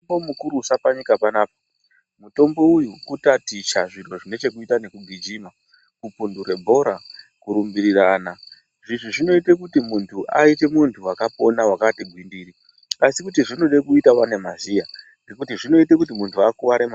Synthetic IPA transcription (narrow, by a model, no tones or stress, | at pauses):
bomukuɾusapaɲikapanaːpa | muto̞mbo̞ujukutatit͡ʃaʐiro̞ʐine̞t͡ʃekuitane̞kuɡʱid͡ʒiːma | kupundure̞bʱo̞ɾa | kuɾumbiɾiraːna | ʐiʐoʐino̞ite̞kutimuntʰuʔa̰ite̞muntʰuwakapo̞nawakatiɡʱwindiːɾi | asikutiʐino̞ɗekuitawane̞mazia | nɡekutiʐino̞itekut̬imuntʰuakuʋaɾema